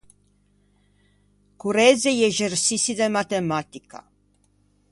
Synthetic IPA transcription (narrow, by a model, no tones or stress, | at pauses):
kuɾezejeʒersisid̪emat̪emat̪ika̰